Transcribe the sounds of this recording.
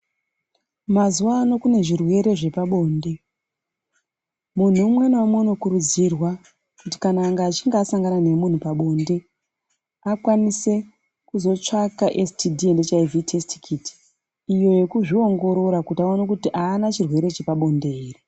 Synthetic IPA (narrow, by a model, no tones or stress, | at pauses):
mazuaːno̞kune̞ʐirwe̞ɾe̞ʐe̞paɓo̞ːnde̞ | mun̤uːmwenwamono̞kuɾud͡zirwa | kuti̥kanaːŋɡaːt͡ʃiŋɡaːsaŋɡanane̞mun̤upaɓo̞nde̞ | akwanise̞ | kuzo̞t͡ʂakaʔestidʱiendet͡ʃaivitʰesti̥kʰiti̥ | ijo̞je̞kuʐio̞ŋɡo̞ɾo̞ɾakutaonakutiʔaːnat͡ʃirwe̞ɾe̞t͡ʃe̞paɓo̞nde̞iːri